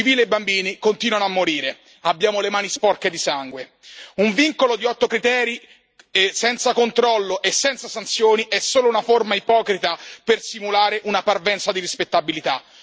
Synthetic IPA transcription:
iviːleebːambiːnikont̪iːnwanoamːoɾiːɾe | abːjaːmolemaːnispɔrked̪isaŋɡwe | uɱviŋkolod̪iɔt̪ːokɾit̪ɛːɾi | sɛnt̪sakont̪ɾɔlːoʔesːɛnt̪sasant̪sjoːniʔɛsːoːlounaformaipɔːkɾit̪apersimulaːɾeʔunaparvɛnt̪sad̪irispet̪ːabilit̪a

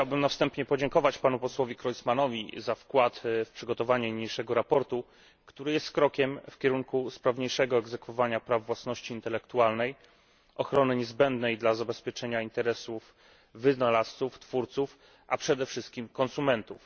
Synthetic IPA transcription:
xt͡ɕt͡ɕawbɘmnafst̪ɛmpɲɛpɔd͡ʑɛŋkɔvat͡ɕpanupɔswɔvʲjikɾɔjt̪smanɔvʲḭzafkwat̪fpʂɘɡɔt̪ɔvaɲɛmɲejʂɛɡɔɾapɔɾt̪u | kt̪uɾɘjɛst̪kɾɔkʲɛmfkʲɛɾuŋkuspɾavɲejʂɛɡɔɛɡzɛkfɔvaɲapɾavːwasnɔɕt͡ɕiːnt̪ɛlɛkt̪ualnɛj | ʔɔxɾɔnɘɲɛzbɛnd̪nɛjd̪lazabɛspʲjɛt͡ʂɛɲaint̪ɛɾɛsuf | vɘnalast̪suft̪fuɾt̪suf | ʔa̰pʂɛd̪ɛfʂɘst̪̚kʲimkɔnsumɛnt̪uf

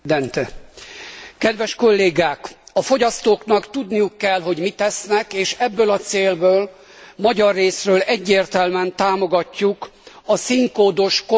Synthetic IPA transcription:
d̪ɛnt̪ɛ | kɛd̪ʋɛʃko̞lːeːɡaːkɒfo̞ɟɒst̪oːknɒkt̪ud̪nijukːɛlɦo̞ɟmit̪ɛsnɛkeːʃɛbːøːlɒt̪seːlbøːl | mɒɟɒrːeːsrøːlɛɟːeːrt̪ɛlmɛnt̪aːmo̞ɡɒcːukɒsiŋkoːd̪o̞ʃko

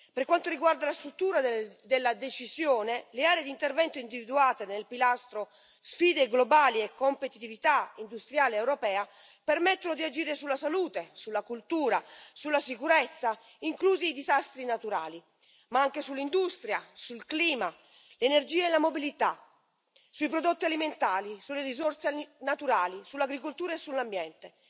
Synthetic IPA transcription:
perkwant̪oɾiɡward̪alast̪ɾut̪ːuːɾad̪elːad̪et͡ʃizjoːneleaːɾed̪int̪ervɛnt̪oind̪ivid̪uaːt̪enelpilast̪ɾo | sfiːd̪eɡlobaːliɛkʰːompet̪it̪ivit̪aind̪ust̪ɾjaːleːwɾopɛːa | permɛt̪ːonod̪iad͡ʒiːɾesulːasaluːt̪esulːakult̪uːɾasulːasikuɾɛt̪sːa | iŋkluːziːd̪izast̪ɾinat̪uɾa̰ːli | maaŋkesulːind̪ust̪ɾjasulkliːma | lenerd͡ʒiːaelamobilit̪a | suipɾod̪ot̪ːialiment̪aːlisulːeɾizorsnat̪uɾaːlisulaɡɾikolt̪uːɾaesːulːambjɛnt̪e

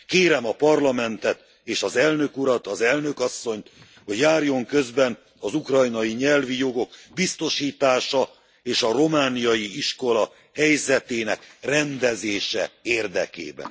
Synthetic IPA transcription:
keːɾɛmɒpɒrlɒmɛnt̪ɛt̪ | eːʃɒzɛlnø̞kuɾɒt̪ɒzɛlnø̞kɒsːo̞ɲt̪ | ho̞ɟjaːrjo̞ŋkø̞zbɛn | ɒzukrɒjnɒjiɲɛlvijo̞ɡo̞kbist̪o̞ʃiːt̪aːʃɒ | eːʃɒro̞maːnijɒjiiʃko̞lɒ | hɛjzɛt̪eːnɛkrɛnd̪ɛzeːʃɛ̰eːrd̪ɛ̰kḛːbɛ̰n

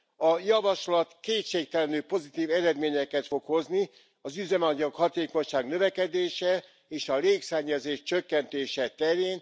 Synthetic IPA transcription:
ɒjɒvɒʃlɒt̪keːt̪ʃeːk̚t̪ɛlɛnyːpo̞zit̪iːvɛɾɛd̪meːɲɛkɛt̪fo̞kho̞zni | ɒzyzɛmɒɟɒkhɒt̪eːko̞ɲʃaːɡnø̞vɛkɛd̪eːʃɛ | eːʃɒleːksɛɲːɛzeːʃt͡ʃøkːɛnt̪eːʃɛt̪ɛɾeːn

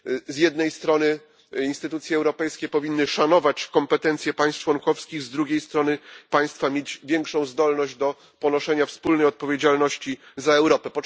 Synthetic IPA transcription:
zjɛd̪nɛjst̪ɾɔnɘ | inst̪ɘt̪ut̪sʲjɛːwɾɔpɛjskʲɛpɔvʲinːɘʂanɔvat͡ɕkɔmpɛt̪ɛnt̪sʲjɛpaj̃st͡ʂwɔŋkɔfskʲiɣzd̪ɾuɡʲejst̪ɾɔnɘpaj̃st̪famʲjed͡ʑvʲjɛŋkʂɔ̃w̃zd̪ɔlnɔʑd͡ʑd̪ɔ | pɔnɔʂɛɲafspulnɛjɔt̪̚pɔvʲjed͡ʑalnɔɕt͡ɕizaɛwɾɔpɛpɔ

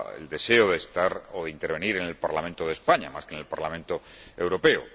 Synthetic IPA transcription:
ḛld̪e̞se̞oðeːst̪aɾoðeint̪e̞ɾβ̞e̞niɾe̞ne̞lpaɾlament̪oð̞espaɲa̰maskenelpaɾlamẽnt̪oe̞wɾo̞pe̞o̰

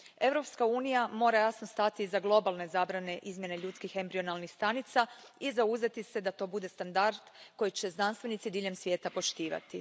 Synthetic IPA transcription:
e̞vɾo̞pskauːnijamo̞ːɾajasnost̪at̪izaɡlˠo̞balˠne̞zaːbɾane̞ʔizmje̞neʎuːt̪skixe̞mbɾio̞nalˠnixst̪anit̪saizauze̞t̪ise̞d̪at̪o̞ːbud̪e̞st̪and̪aɾd̪̥ko̞jit͡ɕe̞znanst̪ʋe̞nit̪sid̪iːʎe̞msʋʲje̞ːt̪apo̞ʃt̪iːʋa̰t̪i

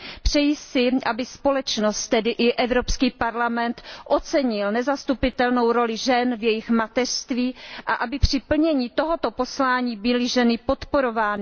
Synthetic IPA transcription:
pr̝̥ɛjɪsɪʔabɪspo̞lɛt͡ʃno̞st̪t̪ːɛdɪʔɪʔɛvɾo̞pskiːpaɾlamɛnt̪ʔo̞t͡sɛɲɪlnɛzast̪upɪt̪ɛlno̞wɾo̞lɪʒɛnvjɛjɪxmat̪ɛr̥st̪viːʔaʔabɪpr̝̥ɪpl̩ɲɛɲiːt̪o̞ɦo̞t̪o̞po̞slaːɲiːbɪlɪʒɛnɪpo̞t̪po̞ɾo̞vaːnɪ

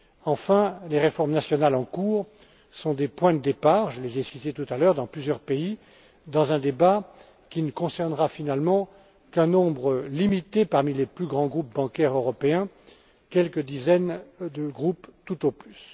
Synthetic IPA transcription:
ɑ̃fɛ̃leʁefɔʁmnasjɔnalɑ̃kuːʁ | sɔ̃d̪epwɛ̃d̪əd̪epaːʁʒəlezesit̪et̪ut̪alœʁd̪ɑ̃plyzjœʁpei | d̪ɑ̃zɛ̃d̪eba | kʲinəkɔ̃sɛʁnʁafinalmɑ̃ | kɛ̃nɔ̃bʁəlimit̪epaʁmileplyɡʁɑ̃ɡʁup̚bɑ̃kʲɛʁøʁɔpeɛ̃ | kʲɛlkəd̪izɛnd̪əɡʁupt̪ut̪oplys

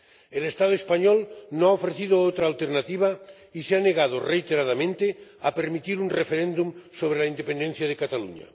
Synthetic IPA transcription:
elest̪aðoespaɲolnõaofɾeθið̞oot̪ɾaːlt̪eɾnat̪iβ̞a | iseaneɣað̞orejt̪eɾaðamẽnt̪eapeɾmit̪iɾunrefeɾẽnd̪umsoβ̞ɾelaind̪epend̪ẽn̟θjaðekat̪alṵɲa̰

